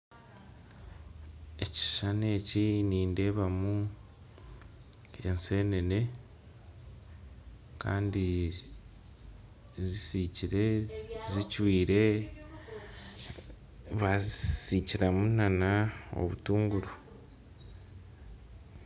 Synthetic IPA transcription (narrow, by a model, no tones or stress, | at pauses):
e̞ci̥ʃane̞ːciniːnde̞ːβamu | e̞nse̞ːne̞ne̞ | ka̰ːndi | zisiciɾe̞zicwiːɾe̞ | βazisiciɾamunanao̞̰βṵtuːŋɡuɾu